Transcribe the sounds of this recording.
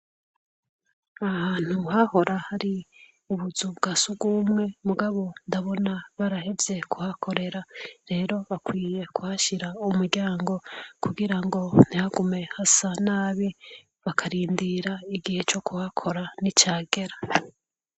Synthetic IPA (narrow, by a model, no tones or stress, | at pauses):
ahaːn̥uhaho̞ɾʔahaɾi | uβuzubɡasuɡuːmŋe̞muɡaβo̞ndaβo̞naβaɾaɦeze̞kuhakʰo̞ɾe̞ɾaɾe̞ːɾo̞βakwiːje̞kuhaʃiɾaumuɾɡaːŋɡo̞kuɡiɾaŋɡo̞n̥ihaɡume̞hasanaːβi | βakʰaɾiːndiɾaiɡihe̞t͡ʃo̞kʰuhakʰo̞ɾanit͡ʃaːɡe̞ɾa